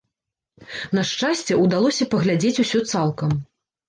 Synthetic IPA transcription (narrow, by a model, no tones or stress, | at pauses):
nɐʂt͡ʂasʲt͡sʲɛud̪alˠɔsʲɐpɐɣlʲad͡zʲet͡sʲusʲɔt̪salˠkɐm